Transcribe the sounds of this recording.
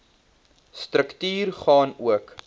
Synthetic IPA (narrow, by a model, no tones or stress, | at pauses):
stɾəktyːrχɑːnuək